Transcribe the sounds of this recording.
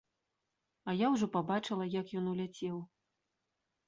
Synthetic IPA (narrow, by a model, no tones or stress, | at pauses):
ɐjawʐɔpabat͡ʂɨlˠɐjakjɔnulʲat͡sʲɛw